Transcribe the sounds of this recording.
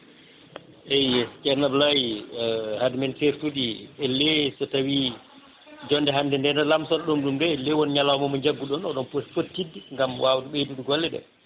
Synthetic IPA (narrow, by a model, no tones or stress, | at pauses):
ʔɛjɛskɛɾnablaj | hadimɛnteɾtudiɛlːɛsɔtawi | d͡ʒɔndɛɦandɛndɛndɛlamsɔnɗumɗumdɛlːɛwɔnɲalawmɔmɔɲd͡ʒaɡːuɗɔnɔɗɔnposfotːidːiŋɡamwawtuɓeduduɡɔlːɛɗɛ̰